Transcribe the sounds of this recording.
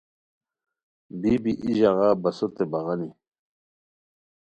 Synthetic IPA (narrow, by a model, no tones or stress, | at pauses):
bibiʔiʑaɣaːbɐsot̪ebaɣani